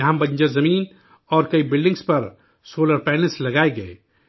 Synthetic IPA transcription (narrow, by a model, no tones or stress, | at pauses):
ɐɦãbɐ̃ɲd͡ʒəzɐmiːn | ɔːɾkɐibɪlɖɪ̃ŋɡspɐɾ | soːləɾpɛːneselɐɡaːeɡɐe